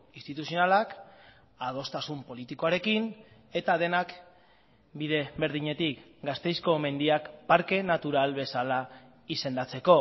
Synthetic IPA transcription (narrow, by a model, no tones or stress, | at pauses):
inst̪it̪usionalak | að̞o̞st̪asumpo̞lit̪ikoaɾe̞kin | e̞t̪aðe̞nak | biðe̞βe̞ɾð̞iɲe̞t̪ikɡast̪e̞jsko̞me̞nd̪iakpaɾke̞nat̪uɾalβe̞sala | ise̞nd̪at͡se̞ko̞